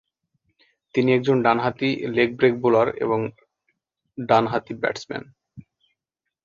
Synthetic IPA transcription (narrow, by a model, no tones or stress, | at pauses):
t̪iniɛk̚d͡ʑonɖanɦat̪ilek̚bɾek̚bulaɾḛboŋ | ɖanɦat̪ibɛ̰ʈsmɛ̰n